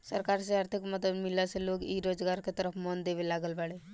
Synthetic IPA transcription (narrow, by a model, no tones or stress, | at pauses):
səɾkaːɾseaːɾt̪ʰikməd̪əd̪mɪlaseloːɡiɾoːd͡ʒɡaːɾket̪əɾəpʰmɔnd̪eːbelaːɡəlbaːɽe